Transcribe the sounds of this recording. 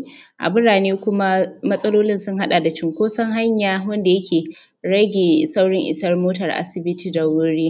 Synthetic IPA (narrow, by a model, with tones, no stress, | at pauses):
ʔa̰˨bʊ˦ɽaː˨neː˦kʷʊ˦ma˦mɐ˦sʼɐ˦loː˦lɪ˦nsʊ˦ŋɦa˦ɗa˨da˨t͡ʃɪ˦ŋkʷoː˦sɐ˦ŋɦa˦ɲjaː˦wɐ˦nda˨jɐ˦kʲeː˨ | ɽɐ˦ɡʲeː˨sa˦wɽɪ˦ŋʔɪ̰˨sɐ˦rmoː˦tɐ˨rʔa̰˦sɪ˨bɪ˦tʰiː˨da˨wʊ˦ɽiː˦